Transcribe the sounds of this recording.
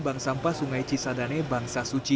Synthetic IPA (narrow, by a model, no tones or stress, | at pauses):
baŋsampasuŋajt͡ʃisadanebaŋsasut͡ʃi